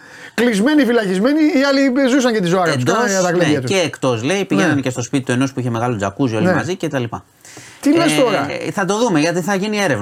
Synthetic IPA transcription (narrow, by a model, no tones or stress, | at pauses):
klizme̞nifilɐçizme̞niːɐlizus̬ɐɲcet̪izoɐɾɐnusd̪osɐt̪ɐklieɐt̪eːkt̪o̞zle̞ipiʝenɐncest̪o̞spit̪it̪oe̞no̞spuiçe̞me̞ɣɐlod͡zɐkuzio̞limɐzice̞t̪ɐlipɐ | t̪ilest̪o̞ɾɐθɐt̪o̞ðume̞ʝɐt̪iθɐʝinie̞ɾe̞v